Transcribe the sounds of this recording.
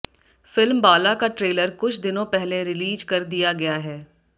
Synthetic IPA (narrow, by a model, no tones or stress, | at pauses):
fɪlmbaːlakaʈɾeːləɾkʊt͡ʃʰd̪ɪnõpɛɦleɾɪliːd͡ʒkɐɾd̪ijaɡɐjaɦɛː